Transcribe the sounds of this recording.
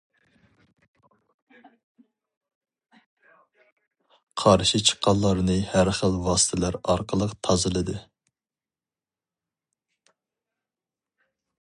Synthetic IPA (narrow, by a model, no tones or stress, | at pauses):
qʰɑɾʃit͡ʃʰə̥qʰːɑlˠːɑɾnɨhæɾχəlwɑːsɨ̥t̪ʰɪlæɾɑɾqʰəlˠəqt̪ʰɑzɨlˠɨd̪ɨ